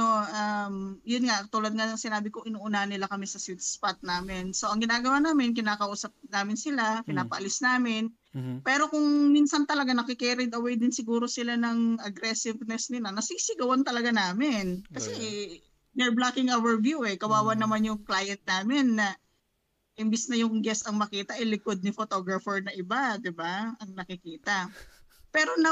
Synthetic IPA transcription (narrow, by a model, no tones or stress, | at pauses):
noʔamjʊnŋat̪uːlɐd̪̚ŋanɐŋsɪnaːbɪkoʔɪnuːʔʊnaʔnɪlakɐmɛsɐsut̪spat̪̚naːmɪnso̞ʔɐŋɡɪnaːɡɐwaːnaːmɪnkɪnaːkɐʔuːsɐp̚naːmɪnsɪlakɪnaːpɐʔɐlɪsnaːmɪn | pɛːɾo̞kʊŋminsɐnt̪ɐlɐɡanɐkɪkɛːɾɪd̪ɐwɛjd̪ɪnsɪɡuːɾo̞sɪlanɐŋʔɐɡɾɛsɪvnɛsnɪlanɐsiːsɪɡɐwant̪ɐlɐɡanaːmɪnkɐsɛ | nɛɹblakɪŋʔawɛɹvjuʔɛkɐwaːwɐnɐmanjʊŋklaːjɐnt̪̚naːmɪnːɐ | ʔɪmbisnɐjʊŋɡɛsɐŋmɐkiːt̪ɐʔɛjlɪkod̪̚nɪfot̪o̞ɡɹɐfɛɹnɐʔɪbad̪ɪbaʔɐŋnɐkɪkiːt̪ɐ | pɛːɾo̞nɐ